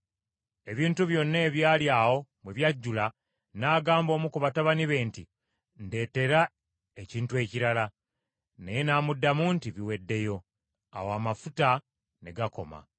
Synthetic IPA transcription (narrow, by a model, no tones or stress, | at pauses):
e̞βiːntuβjo̞nːe̞ːβjaːljaːwo̞mweβjaɟːula | naːɡaːmbo̞ːmukuβataβaniβe̞ːnti | nde̞ːte̞ɾa | e̞ciːntue̞ːciɾala | nejenaːmudːamuːntiβiwe̞dːe̞jo̞ | a̰woamafuta | ne̞ɡako̞ma̰